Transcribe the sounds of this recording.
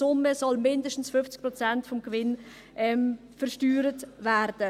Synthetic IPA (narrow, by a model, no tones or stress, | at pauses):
sʊməsɔlmɪndəʃtn̩sfʏft͡sk̚pʁɔt͡sɛntfɔmɡ̥vɪn | ʔɛm | fəɾʃtyːɾətvæɾd̥ə